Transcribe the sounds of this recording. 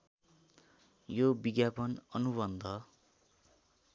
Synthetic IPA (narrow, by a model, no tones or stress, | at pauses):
jobiɡjapʌnʌnubʌnd̪ʱʌ